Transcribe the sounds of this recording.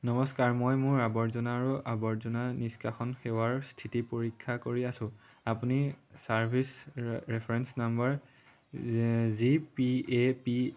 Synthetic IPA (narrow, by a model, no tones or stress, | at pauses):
nɔmɔskaɹmojmʊabɔɹzɔnaːɹuʔabɔɹzɔnaniskaxɔnxewaɹstʰitipoɹikʰːakoɹiasʊ̃ | apunisaɹbʱisɹɛpʰɹɛnsnambaɹ | zipiepi